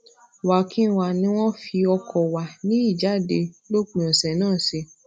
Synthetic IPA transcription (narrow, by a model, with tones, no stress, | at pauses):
wa˨kʰĩ˦˨wa˨nĩ˧˦w̃ɔ̃˦fi˧ɔ˧kʰɔ˨wa˨nĩ˦i˦˨d͡ʒa˨˦de˧lo˦k͡pĩ˨ɔ̃˨sɛ˨nãː˦˨se˧